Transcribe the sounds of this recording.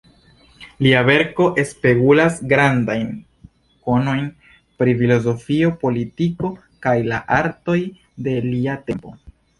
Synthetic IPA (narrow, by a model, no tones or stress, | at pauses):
liave̞ɾko̞ʔe̞spe̞ɡulasɡɾandajn | ko̞no̞jn | pɾifilo̞zo̞fio̞po̞litiko̞ | kajlaʔaɾto̞j | de̞liate̞mpo̞̰